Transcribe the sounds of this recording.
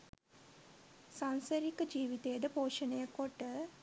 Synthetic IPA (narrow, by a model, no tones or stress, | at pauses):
sansəɾikəd͡ʒiːʋit̪ejəd̪əpoːʃənəjəkoʈːə